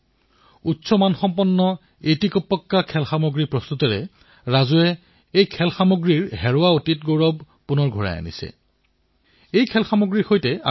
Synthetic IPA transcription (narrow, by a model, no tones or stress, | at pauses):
utːsɔmanxɔmpɔnːɔ | etikɔpːɔkːakʰɛlxamoɡɹipɹɔst̪utɔɹɛ | ɹazuɛ | ejkʰɛlxamoɡɹiɹɦɛɹʊwaotitɡowɹɔb | punɔɹɡʱɔɹa̰ja̰nḭsɛ̰ | ejkʰɛlxamoɡɹiɹxojtɛa